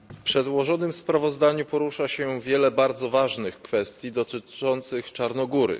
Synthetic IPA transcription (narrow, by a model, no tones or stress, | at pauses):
fpʂɛd̪wɔʐɔnɘmspɾavɔzd̪aɲupɔɾuʂaɕɛvʲjɛlɛbaɾd̪zɔvaʐnɘxkfɛst̪ʲjid̪ɔt̪ɘt͡ʂɔnt̪sɘxt͡ʂaɾnɔɡuɾɘ̰